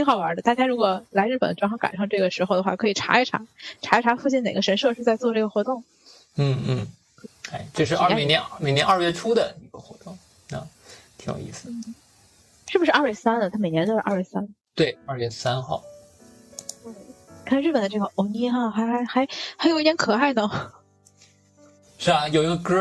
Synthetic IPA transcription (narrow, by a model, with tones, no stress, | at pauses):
t̪ʰi˧˥ŋxɑ˨˩ʊwə˞˧˥d̪ə˧t̪a˥˩t͡ɕja˥ɪɻu˧˥kwɔ˨˩la˧˥ɪɻ̩˥˩pə˨˩nə˧ʈ͡ʂwŋxɑ˥ka̰˨˩nʂɑ˥˧ŋʈ͡ʂɤ˥˩ɡə˩ʂɻ̩˧˥xo˧ʊd̪ə˩xwa˥˩kʰɤ˧˥i˨˩ʈ͡ʂʰa̰˧˥i˧˥˩ʈ͡ʂʰa̰˧˥ʈ͡ʂʰa˧˥i˧˩ʈ͡ʂʰa˧˥fu˥˧t͡ɕi˥˩ne˨˩ɡə˦ʂə˧˥nʂɤ˥˧ʂɻ̩˥˧t͡sa˥˧ɪt͡swɔ˥˧ʈ͡ʂɤ˥˩ɡə˩xwɔ˧˥t̪ʊ˥˩ŋ | n̩˥˩n̩˥˩˥ | e˥ɪʈ͡ʂo˥˧ʂɻ̩˥˧a˥˧˥njɛ˧˥nme˨˩ɪnjɛ˧˥nɐ˞˥˧ɥɛ˥˩ʈ͡ʂʰu˥d̪ə˨ni˧˥ɡə̰˧xwɔ̰˧˥t̪ʊ˥˩ŋ | na˥˩t̪ʰi˧˥ŋjo̰˨˩ḭ˥˩sɹ̩˩n̩˥˩ | ʂɻ̩˥˩bu˩ʂɻ̩˥˧ʔɐ˥˧ɥɛ˥˩sa˥nə˨t̪ʰa˥me˨˩ɪjɛ˧˥nt̪o˥ʂ̩˥˧ʔɐ̰˥˧ɥɛ˥˩sa˥nt̪we˥˩ɪɐ˥˧ɥɛ˥˩sa˥nxɑ˥˩ʊ˥˩ | kʰa˥˩˧ɻ̩˥˩pə˨˩nd̪ə˦ʈ͡ʂɤ˥˩ɡə˩ʔo˧˥ni˥xa˥˩xa˧˥ɪxa˧˥ɪxa˧˥ɪxa˥jo˨˩ʊi˥t̪jɛ˧˥nkʰɤ˨˩a˥˩ɪnə˩ | ʂɻ̩˥˩ɐ˨˩jo˨˩ʊi˧˥ɡə˧k̩˥